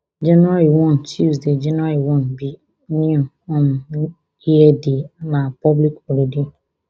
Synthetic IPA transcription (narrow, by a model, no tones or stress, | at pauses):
d͡ʒenɾaliwɔ̃n̩t͡ʃusded͡ʒenaliwɔnbi | niu | ɔm̩ | iɦedinapɔblikoɾede